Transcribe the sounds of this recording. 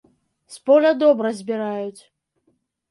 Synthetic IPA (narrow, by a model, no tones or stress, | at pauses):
spɔlʲɐd̪ɔbɾɐzʲbʲiɾajut͡sʲ